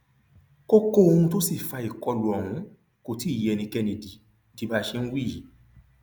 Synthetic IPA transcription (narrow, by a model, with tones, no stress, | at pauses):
ko˦ko˦o˧hũ˧to˦si˦˨fa˧i˨kɔ˧lu˨ɔ˨hũ˨˦ | ko˨ti˦˨jɛ˧nĩ˧kɛ˧ne˨di˨˦ | ti˧ba˦ʃe˧ñ̩˦wi˦˨i˨˦